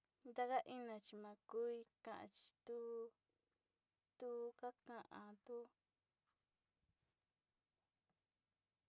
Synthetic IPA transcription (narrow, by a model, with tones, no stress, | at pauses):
nd̪a˧ka˦ʔi˦nã˧t͡ʃi˧mã˧ku˦i˧kã˨ʔã̰˧˨t͡ʃi̥˨˧t̪u˦ | t̪u˦ka˦kã˧ʔã˧t̪u˦